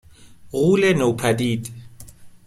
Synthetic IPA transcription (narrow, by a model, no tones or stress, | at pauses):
ɣulɛnaupʰadiːtʼɪ̥